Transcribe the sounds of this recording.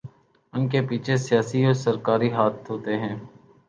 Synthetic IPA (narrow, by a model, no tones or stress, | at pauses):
ʊnkepiːt͡ʃʰesɪjaːsiɔːɾsəɾkaːɾiɦaːt̪ɦoːt̪eɦɛ̃ː